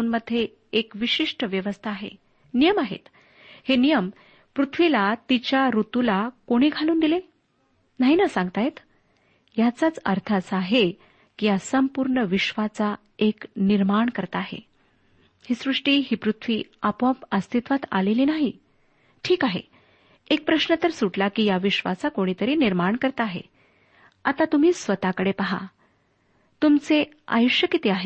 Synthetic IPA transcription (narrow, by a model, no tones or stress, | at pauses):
uːnməd̪ʱːjeː | kʋiɕiʂʈəʋjəʋəst̪ʰaːɦḛ | nijəmaɦḛt̪ | henijəm | pɾut̪ʰʋilat̪it͡ɕjaɾut̪ulakoɽ̃iːɡʱaluːnd̪ile | naɦinəsãŋɡt̪ajet̪ | jat͡sat͡səɾt̪ʰat͡saɦe | kijasəmpuɾɳəʋiɕʋat͡sa | ekniɾmaɳkəɾt̪aːɦḛ | hiːsɾuʂʈiːɦiːpɾut̪ʰʋiːapə̃pəst̪ʰit̪ʋat̪a̰leliːnaɦi | ʈʰiːkaɦḛ | ek̚pɾəɕɳət̪əɾsuʈlakiːjaʋiɕʋat͡sakoɽ̃it̪əɾiːniɾmaɳkəɾt̪aːɦḛ | at̪at̪um̤iːsʋət̪akəɽepəɦa̰ | t̪umt͡se | a̰juʂjəkit̪eaɦe